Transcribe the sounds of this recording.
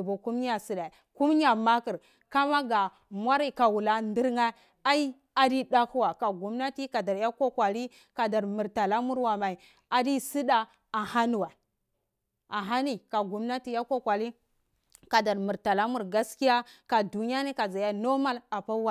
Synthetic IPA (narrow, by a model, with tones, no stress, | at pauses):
bo˨ku˦m˦a˨si˨da˨ | ku˦m˦ɲ˦a˨ma˦ki˨ɾ | ka˦ma˦ɡa˨ | mwa˦ɾi˦ka˨wu˨la˨ndi˦ɾŋa˦ | a˦i˦ | a˨di˦da˦ku˦wa˨ka˨ɡu˨mna˦ti˦ka˨da˨ɾja˦ko˦kwa˨li˦ | ka˨da˨ɾmi˨ɾta˨la˦mu˦ɾwa˨ma˨i˨ | a˨di˦si˦da˦ | a˨ha˦nu˨wa˨ | a˨ɦa˦ni˨ka˨ɡu˨mna˦ti˦ja˦ko˦kʷa˨li˦ | ka˨da˨ɾmu˨ɾta˨la˦mu˦˨ɾɡa˦ski˦ja˦ka˨du˨ni˦a˦ni˦ka˨za˨ja˦no˦ma˦la˨pa˦wa˦